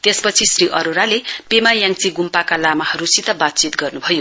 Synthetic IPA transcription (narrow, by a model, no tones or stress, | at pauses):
t̪espʌt͡sʰisriʔʌɾoɾalepemajaŋt͡siɡumpakalamahʌɾusit̪ʌbat̪̚t͡sit̪ɡʌrnubʱʌjo